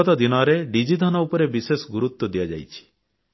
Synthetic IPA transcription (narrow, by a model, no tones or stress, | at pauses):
ɔt̪ɔd̪inɔɾeɖid͡ʒid̪ʱanɔupɔɾebisesɡuɾut̪ːɔd̪ijad͡ʒa̰jt͡ʃʰi̥